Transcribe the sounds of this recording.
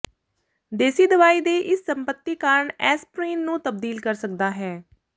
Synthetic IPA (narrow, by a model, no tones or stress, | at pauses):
d̪eːsiːd̪əʋaːiːd̪eːʔɪsːəmpət̪ːiːkaːɾəɳɛːspɾĩːnnũːt̪əb̚d̪iːlkəɾsək̚d̪aːɦɛː